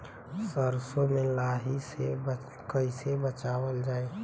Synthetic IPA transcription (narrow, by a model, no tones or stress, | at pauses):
səɾsomẽlaɦise | kəɪsebət͡ʃaːwəld͡ʒaːe